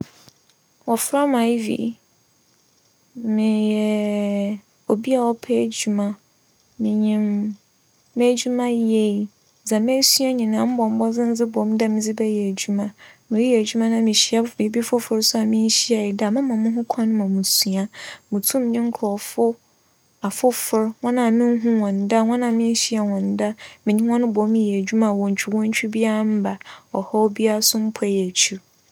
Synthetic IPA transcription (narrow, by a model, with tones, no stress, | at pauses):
wɔ˨fɾa˦mã˨i˦vḭ˨ | mɪ̃˨jɛ˨ | o˨bi˦a˨wɔ˦pʰɛ˦˨d͡ʑu˨mã˦ | mɪ̃˨ɲĩ˨mː | e˦d͡ʑu˦mã˦je˦i˨ | d͡zã˨me˦su˦a˦ɲĩ˨nã˨˦m̩˦bɔ̃˨m̩˦bɔ˦d͡zɪ̃˦n̩˦d͡zɪ˦bɔ˨˦m̩˦da˦mɪ̃˨d͡zɪ˦bɛ˦jɛ˨æ˨d͡ʑu˦mã˦mɪ̃˨ɾi˦˨æ˨d͡ʑu˦mã˦nã˨mĩ˨ɕi˦a˦˨i˨˦bi˦fʊ˦fʊ˨ɾsʊ˦a˨mɪ̃˦n˦ɕi˦a˨jɪ˨da˨mɪ̃˦mã˨mʊ̃˦ɦʊ̃˦kʷʰã˦nʊ̃˦mã˨mũ˨su˨a˦mũ˨tʰũ˦m˦ɲɪ̃˦ŋ̩˦kʰɔ˨fʊ˦ | a˨fʊ˦fʊ˨ɾŋɔ̃˦nã˨mɪ̃˦n˦ɦʊ̃˦wɔ̃˨n˨da˦ŋɔ̃˦nã˨mɪ̃˦n˦ɕi˦a˨wɔ̃˨n˨da˦mɪ̃˨ɲĩ˦wɔ̃˦nʊ̃˦bɔ̃˨˦m˦˨æ˨d͡ʑᶣu˦mã˨wɔ̃˨ɲ˨t͡ɕᶣi˦wɔ̃˦ɲ̩˦t͡ɕᶣʰi˦bi˦a˦a˦m̩˦ba˨ɔ˨hɔ˦bi˦a˦sʊ̃˦m̩˦pʰɛ˦jɛ˨t͡ɕʰu˦ɾ